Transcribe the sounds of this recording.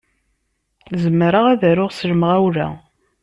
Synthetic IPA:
zəmːɾəʁæðæɾʊʁsʒməʁæwɾæ̰

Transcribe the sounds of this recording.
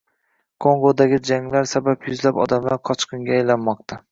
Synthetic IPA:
kʰoŋɡod̪aɡʲɪd͡ʒaŋlaɾsabapʰjʊzlapɒ̰d̪amlaɾqʰɒt͡ʃqʰɨŋɡʲaːjlanmɒqt̪ʰa

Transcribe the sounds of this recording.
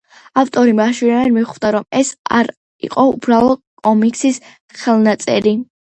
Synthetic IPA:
aft̪ʼɔɾimaʃiɾɛvɛnmiχvd̪aɾɔmɛsa̰ɾ | ḭqʼɔṵbɾalˠɔ | kʼɔmikʼsis | χɛlˠnat̪sʼɛ̰ɾi

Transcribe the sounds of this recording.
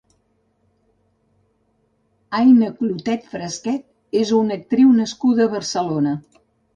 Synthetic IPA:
ajnəklut̪ɛt̪fɾəskɛt̪̚ | ezunək̚t̪ɾiwnəskuðəβəɾsəlonə

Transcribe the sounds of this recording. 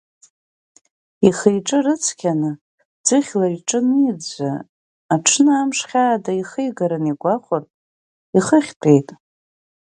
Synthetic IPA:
iχejʈ͡ʂʼɨrɨt͡sʰkʲʰanɨ | d͡zɨχʲlaiʈ͡ʂʼɨnujaː | ʈ͡ʂʰnɨamʂχʲaːdaiχəjɡaɾɨniɡʷaχʷarpʼ | iχəχʲtʰʼe̞jtʼ

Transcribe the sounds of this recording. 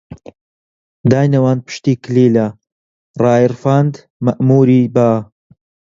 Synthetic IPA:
d̪aːjnɐwaːnpɨ̥ʃt̪iːkɨliːlɐ | rˤɑːjiɾfand̪ | mɐʔmuːɾiːbaː

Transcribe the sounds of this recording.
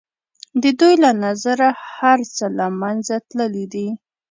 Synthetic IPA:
d̪əd̪ujlanazaɾahaɾt͡səlamanzat̪ləlid̪i

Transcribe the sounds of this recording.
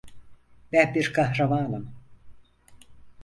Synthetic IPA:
bænbiɾkʰaɦɾamaːnɯm

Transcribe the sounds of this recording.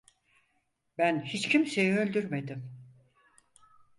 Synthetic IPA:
bænhit͡ʃcʰimse̞jølʲd̪yɾme̞d̪im

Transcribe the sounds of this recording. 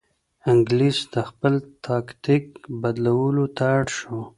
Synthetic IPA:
ɪŋɡlisd̪əxpəlt̪ʰɑkt̪ikbad̪lawəlot̪aːɽʃo

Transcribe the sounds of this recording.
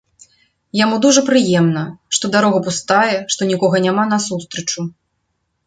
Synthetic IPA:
jamud̪uʐɐpɾɨjɛmnɐʂt̪ɔd̪aɾɔɣɐpust̪ajɛʂt̪ɔnʲikɔɣɐnʲamanasust̪ɾɐt͡ʂu

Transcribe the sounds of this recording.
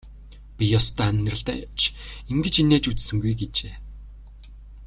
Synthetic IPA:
pʲijɔst̪ʰœːæm̆ʲrə̆ɮt̪æ̰ːt͡ɕʰiŋɡɘ̆t͡ɕinːeːt͡ɕut͡ssɘ̆ŋɡujɡet͡ɕeː

